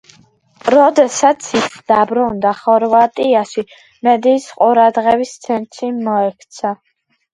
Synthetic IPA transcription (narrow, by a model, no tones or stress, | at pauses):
ɾɔd̪ɛsat̪sʰit̪sʰd̪abɾund̪aχɔɾvat̪ʼiaʃi | mɛd̪iːsqʼuɾad̪ʁɛvist̪sʰɛnt̪ʰʃimɔɛkʰt̪sʰa